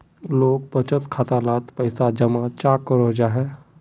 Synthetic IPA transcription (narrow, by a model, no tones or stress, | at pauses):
loːk̚bət͡ʃət̪kʰaːt̪alaːt̪pəɪsad͡ʒəmat͡ʃaːkːəɾod͡ʒaːɦɛː